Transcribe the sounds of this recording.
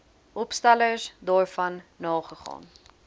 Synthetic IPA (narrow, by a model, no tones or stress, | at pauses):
ʔɔpstɐləsdɑːrfɐnːɑːχəχɑ̰ːn